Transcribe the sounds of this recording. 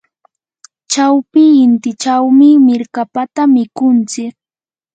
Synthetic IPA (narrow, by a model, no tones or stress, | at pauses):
t͡ʃawpɪːnt̪ɪt͡ʃawmɪmɪɾkapat̪amɪkʊnt͡sɪk̚